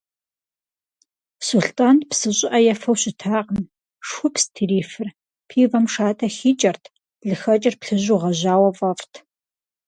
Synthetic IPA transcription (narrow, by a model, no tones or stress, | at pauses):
suɬtʼaːnpsɨɕʼɪʔɐjɛfɐwɕɪtʰaːqən | ʂʷʊpstʰiriːfɨr | pʰiːvɐmʂaːtʼʰɐxiːt͡ʃʼɐrtʰ | ɮɨxɐt͡ʃʼɪrpɬɨʑuːʁɐʑaːwɐvɐftʰ